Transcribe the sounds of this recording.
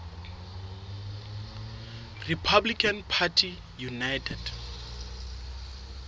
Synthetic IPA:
ripʰablikʰʼanpʰatʰi | junajtʰɛd̥

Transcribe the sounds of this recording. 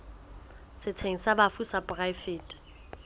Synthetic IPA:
sɪt͡sʰeŋ̩sabafusapʼʊraɪfɪːtʼḁ

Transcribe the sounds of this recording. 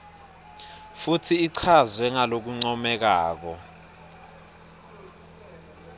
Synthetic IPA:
futʰiːǀʰazwɛŋalok̬uŋ͡ǀɔmɛk̬aːk̬ɔ

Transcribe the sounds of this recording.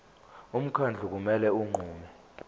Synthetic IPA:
um̩kʰand͡ɮʱuk̬umɛlɛuŋ͡ǃʱuːmɛ

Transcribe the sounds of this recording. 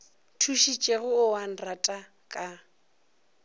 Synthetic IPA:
tʰuʃit͡ʃʼeɣʊːwan̩ratʼa | kʼa

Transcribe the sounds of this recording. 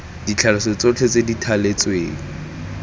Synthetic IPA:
d̥it͡ɬʰalɪsɔt͡sot͡ɬʰet͡seditʰalet͡sʼweːŋ̩

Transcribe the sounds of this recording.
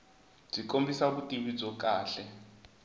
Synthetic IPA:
b͡ʐikʼombisaβutʼiβid͡zɔk̬ʼaːɬɛ

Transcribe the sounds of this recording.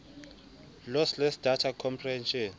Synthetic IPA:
lɔslesd̥ʱatʰakʰɔmpʰrihɛnʃɔn

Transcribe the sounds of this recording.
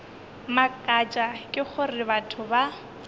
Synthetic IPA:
makʼat͡ʃʼakʼɪχʊrɪbatʰʊba

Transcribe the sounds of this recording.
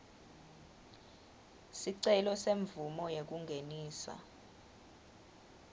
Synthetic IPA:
siǀɛlɔseɱvumɔjek̬uŋɡʱeniːsa̰

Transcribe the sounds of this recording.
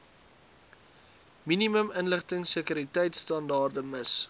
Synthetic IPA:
miniməmənləχtəŋsəkyɾitɛjtstɐndɑːrdəməs

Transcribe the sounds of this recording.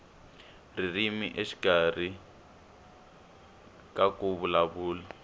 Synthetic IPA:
ririmiʔeʃi̥kʼar̤i | kʼakʼuβulaβuːla

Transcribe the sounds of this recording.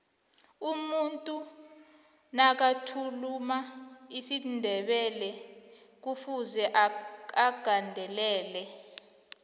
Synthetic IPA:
umuntʼu | nak̬atʰulumaisindʱɛɓɛlɛ | k̬ufuzɛʔaɡ̥ʱandʱɛlɛːlɛ

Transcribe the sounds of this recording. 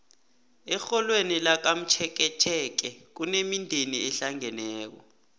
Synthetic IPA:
ɛxɔlwenilak̬am̩t͡ʃʰɛk̬ɛt͡ʃʰɛk̬ɛk̬unemindʱeniɛɬaŋɛnɛːk̬ɔ̰

